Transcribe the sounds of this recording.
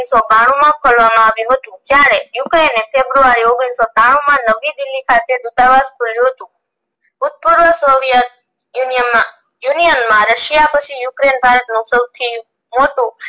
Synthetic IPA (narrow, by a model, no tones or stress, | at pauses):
sɔpaɽ̃ũmãkʰolʋamãaʋjũɦət̪ũd͡ʒjaɾejukɾenefʰebɾuaɾioɡɽ̃isɔt̪aɽ̃ũmãnəʋid̪ɪlːikʰat̪ed̪ut̪aʋaskʰoljũɦət̪ũ | ʊt̪̚puɾʋəsoʋjət̪̚ | junijəmã | junijənmãɾəʃijapət͡ʃʰijukɾenbʱaɾət̪nũsəwt̪ʰi | moʈũ